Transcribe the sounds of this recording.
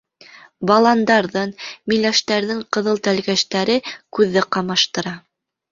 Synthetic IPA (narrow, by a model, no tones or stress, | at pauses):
bɑlˠɑnd̪ɑɾðɤnmilæʃt̪æɾðɘɴqɤ̆ðɤlˠt̪ælɡæʃt̪æɾɘkʉðːɘqɑmɑʃt̪ɤ̆ɾɑ